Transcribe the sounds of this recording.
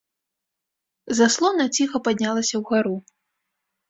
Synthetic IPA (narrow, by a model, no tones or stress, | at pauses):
zaslˠɔnɐt͡sʲixɐpad̪ʲnʲalˠɐsʲɐwɣaɾu